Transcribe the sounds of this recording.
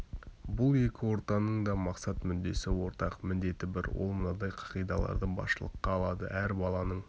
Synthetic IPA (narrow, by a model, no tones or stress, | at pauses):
bʊlˠe̞kʲɪwo̞ɾt̪ɑnəɴd̪ɑmɑqsɑt̪mʏnd̪e̞sɪwo̞ɾt̪ɑqmɪnd̪e̞t̪ɪbɪɾwo̞̰lˠmʊnɑd̪ɑjqʰɑ̥qijd̪ɑlˠɑ̰ɾd̪əbɑ̰sʃəlˠə̰qːɑːlˠɑd̪ə̰ʔæɾbɑlˠɑnəɴ